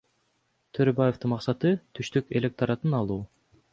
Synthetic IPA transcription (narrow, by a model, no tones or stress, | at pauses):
t̪ʰøɾøbajeft̪ɯnmɑqsɑt̪ɯt̪ʰyʃt̪yke̞lʲek̚t̪aɾɑt̪ɯnɑlˠuː